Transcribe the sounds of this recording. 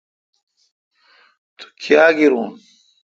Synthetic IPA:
t̪ʰu̥kʰjaːɡiɾuːn

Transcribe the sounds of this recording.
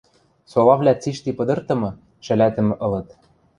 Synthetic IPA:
solɑvlʲæt͡siʃt̪ipɤ̆d̪ɤ̆rt̪ɤ̆mɤ̆ | ʃɘ̆læt̪ɘ̆mɘ̆ʔɤ̆lɤ̆t̪

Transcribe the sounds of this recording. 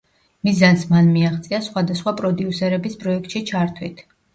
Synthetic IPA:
mizansmanmiaʁt̪sʼiasχwad̪asχwapʼɾɔd̪iusɛɾɛbispʼɾɔɛk̚ʰt̪ʃit͡ʃʰaɾt̪ʰwit̪ʰ

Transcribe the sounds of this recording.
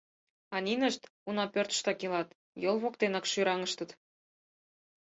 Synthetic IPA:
ɑnʲinəʃt̪unɑpørt̪̆ʃt̪ɑkilɑt̪ | jolˠβokt̪enɑkʃyɾɑŋə̆ʃt̪ə̆t̪

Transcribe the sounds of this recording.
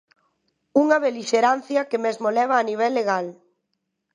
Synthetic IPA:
uŋɐβeliʃeɾan̟θjɐkemezmolɛβaːniβ̞ɛlːeɣal

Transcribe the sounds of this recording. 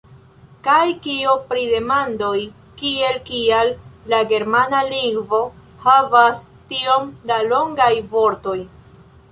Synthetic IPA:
kajkiopɾide̞mandoj | kie̞lkialːaɡe̞ɾmanaliŋɡvo̞ | havas | tio̞mdalo̞ŋɡajvo̞ɾto̞j

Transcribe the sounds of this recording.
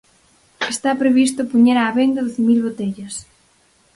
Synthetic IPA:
est̪apɾeβist̪ʊpoɲeɾaːβend̪ɐðoθemilβot̪eʎɐs

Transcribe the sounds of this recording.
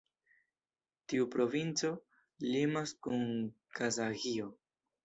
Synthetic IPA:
tiupɾo̞vint͡so̞ | limaskunkazaɡio̞

